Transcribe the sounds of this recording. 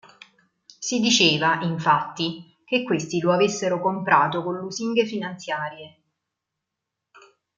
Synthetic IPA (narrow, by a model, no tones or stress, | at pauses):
sid̪it͡ʃeːvaʔiɱfat̪ːi | k̟ekːwest̪iloavesːeɾokompɾaːt̪okonluziŋɡefinant̪sjaːɾje